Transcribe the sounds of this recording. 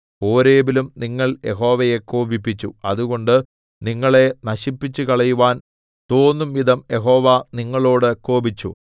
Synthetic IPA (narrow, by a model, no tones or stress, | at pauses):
o̞ːɾeːbilumniŋːɐɭje̞̰ɦo̞ːʋɐje̞kːoːbipːit͡ɕːuɐðuɣoɳɖɨ | niŋːɐɭe̞nɐɕipːit͡ɕːukɐɭɐjuʋaːn | t̪o̞ːnːumʋid̪ʱɐmje̞ɦo̞ːʋɐniŋːɐɭo̞ːɽɨkoːbit͡ɕːṵ